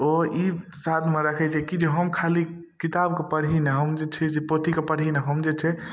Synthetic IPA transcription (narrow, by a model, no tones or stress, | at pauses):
oi | sat̪ʰmeɾəkʰɛt͡ʃʰɛkid͡ʒeɦəmkʰali | kit̪abkepəɽ̤ɦinɛɦəmd͡ʒet͡ʃʰɛd͡ʒepot̪ikepəɽ̤ɦinɛɦəmd͡ʒet͡ʃʰɛ